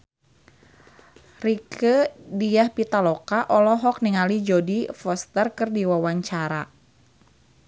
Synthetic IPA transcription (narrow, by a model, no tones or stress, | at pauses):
rikʰədijahpit̪alɔkaʔɔlɔɦɔk̚niŋalid͡ʒodifɔst̪ərkɨrdiwawaɲt͡ʃaɾa